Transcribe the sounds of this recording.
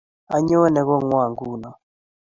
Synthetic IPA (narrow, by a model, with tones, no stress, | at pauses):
a˨ɲɔ˦nɛ˨ɣɔ˦ŋwa˨ŋɡu˦˨na˨